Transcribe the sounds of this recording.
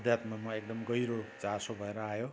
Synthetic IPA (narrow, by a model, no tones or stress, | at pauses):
d̪ʱjat̪mamʌek̚d̪ʌmɡʌjɾot͡sasobʱʌeɾʌajo